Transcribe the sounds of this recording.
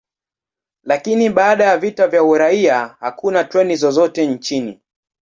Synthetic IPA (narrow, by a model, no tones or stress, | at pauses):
lakiniɓaːɗajavitavjauɾaiahakunatwɛnizɔzɔtɛn̩t͡ʃinḭ